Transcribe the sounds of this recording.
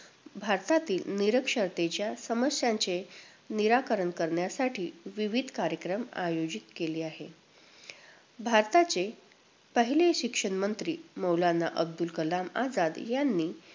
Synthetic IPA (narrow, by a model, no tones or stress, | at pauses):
bʱaɾt̪at̪iːlniɾəkʂəɾt̪et͡ɕjasəməsjãɲt͡se | niɾakəɾəɳkəɾɳjasaʈiːʋiʋid̪ʱkaɾjəkɾəma̰jod͡ʑit̪keliːaɦe | bʱaɾt̪at͡se | pəɦileɕikʂəɳmənt̪ɾiːməwlanːaʔəb̚d̪ulkəlama̰d͡zad̪janːiː